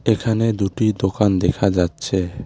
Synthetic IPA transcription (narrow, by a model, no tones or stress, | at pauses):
ekʰaned̪uʈid̪okand̪ɛkʰad͡ʒatːt͡ʃʰe